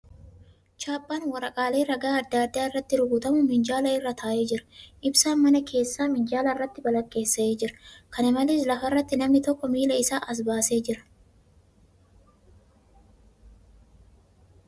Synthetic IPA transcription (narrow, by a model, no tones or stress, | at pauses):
t͡ʃaːpʼːaːnwɐɾɐkʼaːle̞ːɾɐɡaːɐd̪ːaːd̪ːaːɪrːɐt̪ːɪɾʊɡʊt̪ɐmʊmɪnd͡ʒaːlɐɪrːɐt̪ʰaːʔe̞ːd͡ʒɪɾɐ̥ʔɪbsaːnmɐnɐkʰe̞ːsːaːmɪnd͡ʒaːlɐɪrːɐt̪ːɪbɐlɐkʼːe̞ːsːɐeːd͡ʒɪɾɐ̥kɐnɪmɐleːslɐfɐrːɐt̪ːɪnɐmnɪt̪ɔkːɔmiːlɐɪsaːʔɐs̬baːse̞ːd͡ʒɪɾɐ̥